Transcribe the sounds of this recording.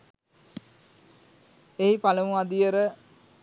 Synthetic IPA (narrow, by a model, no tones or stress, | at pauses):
eɦipaləmuad̪ijəɾə